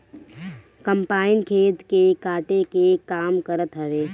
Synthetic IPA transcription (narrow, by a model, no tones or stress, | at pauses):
kəmpaːɪnkʰeːt̪kekaːʈekekaːmkəɾət̪ɦəʋeː